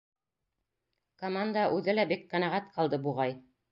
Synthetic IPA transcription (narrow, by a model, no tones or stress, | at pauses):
komand̪aʔʉðɘlæbikːɑ̆nɑʁæt̪qɑlˠd̪ɤbuʁɑj